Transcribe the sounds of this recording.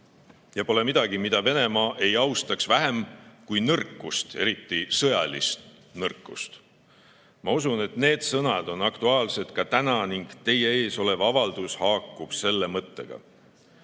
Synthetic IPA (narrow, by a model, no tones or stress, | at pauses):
jɑpo̞le̞mid̪̥ɑɡimid̪ɑve̞ne̞mɑːʔe̞jɑwst̪ɑksvæɦe̞mkujnɤrkːˑust̪e̞ɾit̪ːisɤjɑlḭst̪ | nɤrkːˑust̪ | mɑusune̞t̪ne̞ːd̪̥sɤnɑd̪̥o̞nɑkt̪uɑːlse̞t̪kɑt̪ænɑniŋɡ̥t̪e̞je̞e̞ːso̞le̞vɑvɑld̪̥ushɑːkːˑub̥se̞lːemɤt̪ːe̞̰ɡ̥ɑ̰